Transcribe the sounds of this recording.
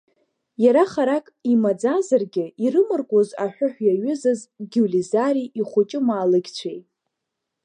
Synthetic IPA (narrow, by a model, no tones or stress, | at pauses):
jaɾaχaɾakʼimad͡zazarɡʲɪirɨmɨrkʷʼozaħʷᶣʊħʷᶣjaɥʏzazɡʲulizaɾiʔiχʷʊt͡ʃʼɪmaːlɨɡʲt͡ɕʷʰejtʼ